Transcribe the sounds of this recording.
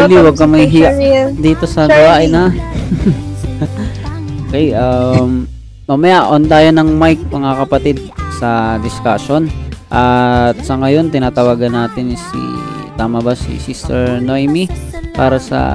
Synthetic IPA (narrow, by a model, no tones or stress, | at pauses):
uliwɐɡ̚kːɐmɐjɦid̪iːt̪o̞sɐd̪ʊwaːʔɪnha | okɛjʔamː | ɐmɐjaʔont̪aːjonɐŋmajk̚mɐŋakɐpɐt̪id̪̚sɐd̪ɪskaʃo̞nʔɐt̪̚sɐŋɐjo̞nt̪ɪnaːt̪ɐwaːɡɐnːaːt̪ɪnsḭt̪aːmɐbasḭsist̪ɛɹnojmipaːɾɐsɐ̰